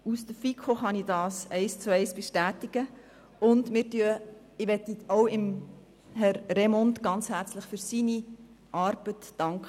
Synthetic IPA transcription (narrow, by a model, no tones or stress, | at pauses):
usd̥̪əfikʰoχɑnidɑːsɛɪst͡suɛɪsb̥eʃtæːtɪɡ̥ə | ʊndmɪːɾtyə | ɪʋɛt̪ːioʊɪm | ɦɛɾːemɔntɡ̥ɑnt͡shæɾt͡sləχfʏɾsini | ʔɑɾb̥ətːɑŋkə